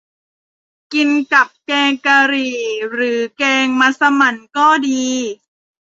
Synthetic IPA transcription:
ki˧nka˨˩p̚kɛː˧ŋka˧ɾiː˨˩ɾɯː˩˦keː˧ŋma˧sa˧ma˨˩nkɔː˥˩diː˧

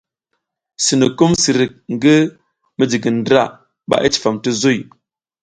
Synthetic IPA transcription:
si˨nə˨ku˦msi˨ɾi˨k̚ŋ˨ɡə˦ | mə˦d͡ʒi˨ɡə˨ndɾa˦˨ | ɓa̰˨ʔə˦t͡ʃi̥˨fa˨mtə˦zo˦˨j

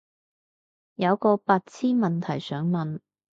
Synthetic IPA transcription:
jɐ˨˧wkɔː˧paː˧t̚t͡sʰiː˥mɐ˨nt̪ʰɐ˨˩jsœː˨˥ŋmɐ˨n

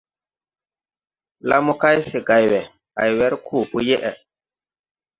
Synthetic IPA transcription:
la̰˦mu˦ka˦jse˨ɡa˨jwɛ˨ | a̰˨jwɛ˦ɾkʰuː˦˨pu˦je˦ʔɛ˨

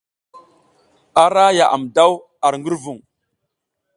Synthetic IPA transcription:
a˨ɾa˦ja˨ʔa̰˨mda˦w | a˨ɾŋɡi˦ɾvu˨ŋ

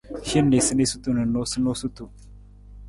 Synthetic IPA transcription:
ʃɪ˦nːe˨sɨ˦ne˦su˦t̪ʼu˨nɨ˨nːo˦sɨ˦no˦su˦t̪ːu˨

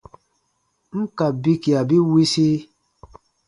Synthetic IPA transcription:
ŋ̩˦ka˨bi˦ki˨a˨bi˦wi˦si˦

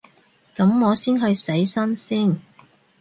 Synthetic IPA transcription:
kɐ˨˥mŋɔː˨˧siː˥nɦɵ˧ɥse˨˥jsɐ˥nsiː˥˩n

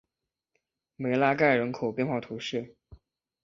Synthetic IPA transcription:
me˨˩ɪla˥ka˥˩ɪɻə˧˥nkʰo˨˩ʊpjɛ˥˧nxwɑ˥˩t̪ʰu˧˥ʂɻ̩˥˩

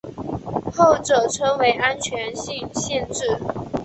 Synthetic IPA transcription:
xo˥˩ʊʈ͡ʂɤ˨˩ʈ͡ʂʰɤ˥ŋwe˧˥ɪʔa˦nt͡ɕʰɥɛ˧˥nɕi˥˧ŋɕjɛ˥˧nʈ͡ʂɻ̩˥˩

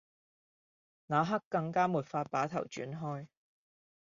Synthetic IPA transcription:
naː˨˧ɦɐ˥kːɐ˧ŋkaː˥muː˨˩t̚faː˧t̚paː˨˥t̪ʰɐ̰˨˩wt͡ʃy̰ː˨˥nɦɔː˥j

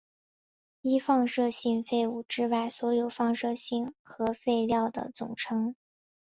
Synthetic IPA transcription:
i˥fɑ˥˧ŋʂɤ˥˧ɕi˥˧ŋfe˥˩ɪu˨˩ʈ͡ʂɻ̩˥˧wa˥˩ɪswɔ˧˥jo˨˩ʊfɑ˥˧ŋʂɤ˥˧ɕi˥˩nxɤ˧˥fe˥˧ɪljɑ˥˩ʊd̪ə̰˩t͡sʊ̰˨˩ŋʈ͡ʂʰɤ˧˥ŋ

